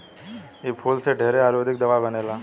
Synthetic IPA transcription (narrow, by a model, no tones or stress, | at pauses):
epʰuːlseɖʱeɦɾeaːɾoːd̪ʱɪk̚d̪ɐʋabɐneːlaː